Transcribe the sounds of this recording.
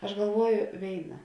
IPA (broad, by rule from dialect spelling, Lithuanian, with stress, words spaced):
ɐʃ ɡɐlˠˈʋuɔjʊ ˈʋʲeːɪnɐ